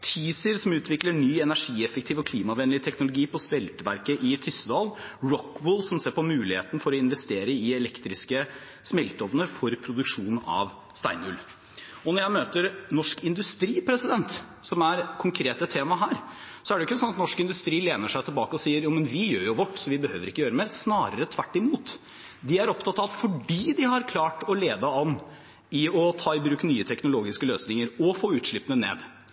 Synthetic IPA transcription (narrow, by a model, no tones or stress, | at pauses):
t̪ʰiːsəɾsɔmʉːt̪ʰʋɪkləɳyːɛnæʂiːɛfəkt̪ʰiːʋɔkʰliːmɑʋɛnlɪt̪ʰɛknʊlʊɡiːpɔsmɛlt̪əʋæɾkəʔɪt̪ʰʏst̪əd̪ɑːlɹɔkːwʊlsɔmseːɾpɔmʉːlɪhḛːt̪nəfɔɾɔɪnʋɛst̪eːɾəɪɛlɛkt̪ɾɪskə | smɛlt̪ɔʋnəfɔɾpʰɾʊd̪ʉkʂuːnɑ̰ʋ | st̪æ̰ɪnʉl | ɔnɔɾjæɪmøːt̪əɾnɔʂkɪnd̪ʉst̪ɾiːpʰɾɛsɪd̪ɛnt̪ | sɔmæɾkʰʊŋkʰɾeːt̪ət̪ʰːeːmɑɦæːɾ | sɔæɖɛʊɪkːəsɔnːɑt̪nɔʂkɪnd̪ʉst̪ɾiːleːnəʂæɪt̪ʰɪlbɑːkəɔsiːəɾjuːmənʋɪjøːɾjʊʋɔʈːsɔʋɪbəhøːʋəɾɪkːəjøːɾəmɛsnɑːɾəɾət̪ʰʋæʈːɪmuːt̪ | d̪ɪæɾɔpt̪ʰɑt̪ːɑʋfɔɖiːd̪ɪhɑɾkʰlɑːʈɔleːd̪əɑnː | ɪɔt̪ʰɑːɪbɾʉːknyːət̪ʰɛknʊloːɡɪskəløːsnɪŋəɾɔfoːʉːt̪ʂɭɪpːənənḛːd̪